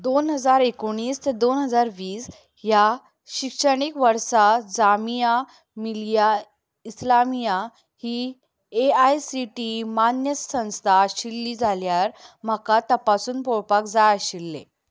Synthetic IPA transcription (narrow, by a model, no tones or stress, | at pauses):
d̪onɦəd͡zaɾekoɽ̃iːst̪əd̪onɦəd͡zaɾʋiːs | ja | ɕikʂəɽ̃ikʋəɾsad͡zamija | milja | islamija | hi | eajsiʈimanjəsə̃w̃st̪ʰaɕilːiːd͡zʱaljaɾm̤əkat̪əpasuːnpoɭpakd͡zajaɕilːḛ